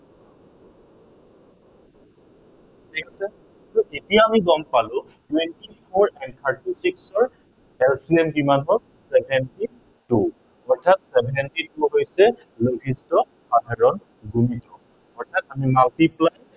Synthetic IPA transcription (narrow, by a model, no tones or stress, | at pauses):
tʰikʰasɛ | aɹuʔetijaːmiɡɔmpalʊ̃ | tuentipʰɔɹɛn̚t̪ʰaɹtisiksɔɹ | ɛlsiɛmbimanɔ | sɛbʱɛnti | tu | ɔɹtʰat̚sɛbʱɛntituɦojsɛ | loɡʱistɔ | xadʱaɹɔn | ɡumitɔ | ɔɹtʰatamimaltiplaj